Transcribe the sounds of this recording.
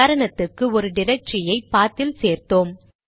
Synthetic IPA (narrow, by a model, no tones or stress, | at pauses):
aːɾɐɳɐt̪ːɯkːɯɔɾɯɖɪɾɐk̚ʈrɪjɐɪpːaːɾt̪ɪlseːɾt̪oːm